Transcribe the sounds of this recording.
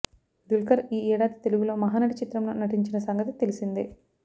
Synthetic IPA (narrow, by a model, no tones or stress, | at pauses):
ɖulkɐɾiːɛːɽaːd̪it̪e̞luɡulo̞ːmɐɦaːnɐʈit͡ʃit̪ɾɐmlo̞̰ːnɐʈiɲt͡ʃinɐsɐŋɡɐt̪it̪e̞lisind̪i